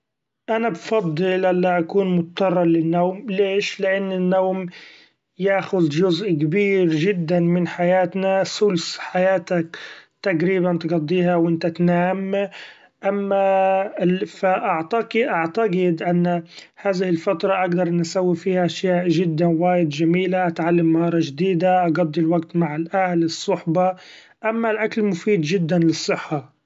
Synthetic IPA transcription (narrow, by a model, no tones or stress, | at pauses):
ʔanabfɑd̪ˤːɨlʔalːaʔakuːnmʊt̪ɑt̪ɑrˤːɑlɪnːawmleːʃlɪʔanːɪnːawm | jaːxʊðʒʊzʔkabiːɾʒɪd̪ːanmɪnħajaːt̪nasʊlsħajaːt̪akt̪aɡɾiːbant̪ɡɑd̪ˤːiːhawʔɪnt̪at̪naːm | ʔamːa | faʔaʕt̪ɑɡʔaʕt̪aɡɪd̪ʔanː | haːðɪhɪlfat̪ɾˤɑʔaɡd̪ɑɾˤnasawːifiːhaʔaʃjaːʔʒɪd̪ːawaːjɪd̪ʒamiːlaʔat̪ʕalːamːahɑːɾˤɑʒd̪iːd̪aʔɑɡɑd̪ˤːilwaɡt̪maʕɪlʔahlɨsˤːʊħbɑ | ʔamːalʔakalmʊfiːd̪d͡ʒɪd̪ːanlɨsˤːɨħːɑ